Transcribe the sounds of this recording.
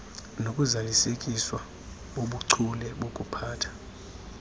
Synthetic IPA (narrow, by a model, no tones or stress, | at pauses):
nokʼuzalisekʼiswa | ɓoɓuǀʰulɛɓokʼupʰaːtʰḁ